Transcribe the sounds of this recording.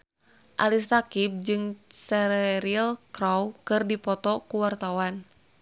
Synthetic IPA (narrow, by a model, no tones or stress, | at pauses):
ʔalisakip̚d͡ʒɨŋsɛɾɛɾilkɾawkɨrdipɔt̪ɔkuwart̪awan